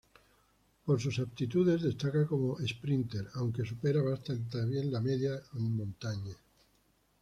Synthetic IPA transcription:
po̞ɾsusap̚t̪it̪uðe̞zðe̞st̪akako̞moʔespɾint̪e̞ɾawŋke̞supe̞ɾaβast̪ant̪aβjẽ̞nlameðjammõnt̪aɲe

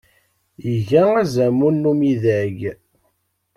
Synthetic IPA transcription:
jəʝææzæmunːumiðæʝ

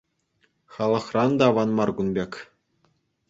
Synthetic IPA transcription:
χɑlˠɤ̆χrɑnd̪ɑʋɑnmɑrɡunbʲekʲ

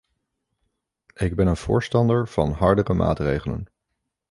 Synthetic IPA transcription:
ɪɡ̚bɛnənv̥ʊ̰ːɹstɑndəɹv̥ɑ̰nɦɑɹdərəma̰ːtrejχələ̰n

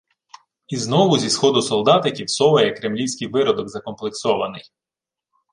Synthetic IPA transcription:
iznɔʋʊzʲisxɔd̪ʊsɔlˠd̪ɑt̪ɪkʲiwsɔʋɐjɛkɾemlʲiwsʲkɪjʋɪɾɔd̪ɔɡzɐkɔmplˠeksɔʋɐ̰nɪj

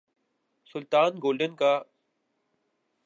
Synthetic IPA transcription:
sʊlt̪aːnɡoːlɖənkaː

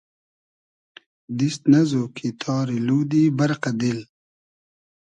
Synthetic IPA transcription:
d̪ist̪nɐzoːkʰit̪ʰɑːɾiluːd̪ibɐɾqad̪il

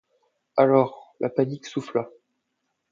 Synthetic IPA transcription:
alɔːʁlʔapaniksufla

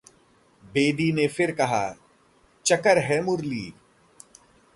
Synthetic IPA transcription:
beːd̪inefɪɾkɐɦa̰ː | t͡ʃɐkəɾɦɛmʊɾlḭː

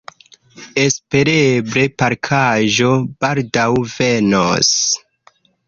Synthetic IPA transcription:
e̞spe̞ɾebɾe̞paɾkʰaʒo̞b̥aldawveno̰s

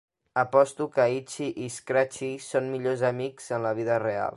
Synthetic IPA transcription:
əpɔst̪ukəit͡ʃiʔiskɾat͡ʃisonmiʎozəmikz̥ənləβ̞iðərea̰lˠ

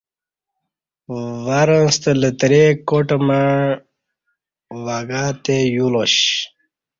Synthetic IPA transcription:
ʋaɾənst̪ələt̪ɾekoʈma | ʋaɡaːt̪ejuloɕ

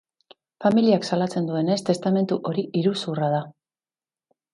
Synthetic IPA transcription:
familiaksalat͡se̞nd̪ue̞ne̞st̪e̞st̪ame̞nt̪uʔo̞ɾiʔiɾusurað̞a

